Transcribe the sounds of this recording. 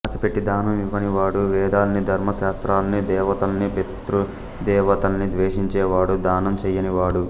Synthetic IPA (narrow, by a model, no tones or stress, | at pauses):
sɐpeʈːid̪aːnɐmiʋːɐniʋaːɽuʋɛːd̪aːlɐnid̪ʱɐɾmɐʃaːst̪ɾaːlɐnid̪ɛːʋɐt̪ɐlɐnipet̪ɾu | d̪ɛːʋɐt̪ɐlɐnid̪ʋeːʂiɲt͡ʃɛːʋaːɽud̪aːnɐmt͡ʃɛjːɐniʋaːɽu